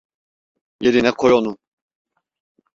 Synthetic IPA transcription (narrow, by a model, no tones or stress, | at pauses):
jeɾinɛkʰojonu